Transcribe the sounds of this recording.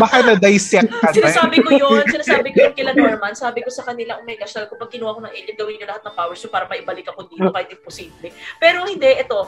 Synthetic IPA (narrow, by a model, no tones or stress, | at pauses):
bakɐnɐd̪ajsɛk̚kɐsɪnasaːbɪkojonsɪnaːsaːbɪkojonkɪlɐnɛɾmansaːbɪko̞sɐkɐnɪlaʔʊmɐjkɐʃɐlkopɐɡ̚kɪnuwakonɐŋʔɛlɐnɡɐwɪnjonlɐhat̪̚nɐŋpaːwɛɹʃɪppaːɾɐmɐʔɪbɐlɪkɐkod̪iːt̪okaːhɪt̪ɪŋposiːblɛpɛːɾo̞hɪnd̪ɛʔɛt̪o̞